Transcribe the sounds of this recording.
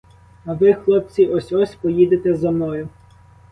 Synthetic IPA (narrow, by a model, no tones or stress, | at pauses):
ɐʋɪxlˠɔp̚t͡sʲiʔɔsʲɔsʲpɔjid̪et̪ɛzemnɔjʊ